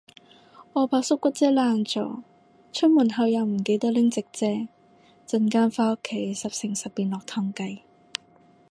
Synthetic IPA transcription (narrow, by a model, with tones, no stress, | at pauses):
ɔː˨˧paː˧k̚sʊ˥kʷːɐ˥t̚t͡sɛː˥laː˧nt͡sɔ̰ː˨˥ | t͡ʃʰɵ˥t̚muː˨˩nɦɐ˨˧wjɐ˨˧wm̩˨˩ke˧jt̪ɐ˥k̚lɪ˥ŋt͡sɪ˨k̚t͡sɛː˥ | t͡sɐ˧nkaː˥nfaː˥kʰːe˨˩jsɐ˨p̚sɪ˨˩ŋsɐ˨p̚piː˨nlɔː˨k̚t̪ʰɔː˧ŋkɐ˧j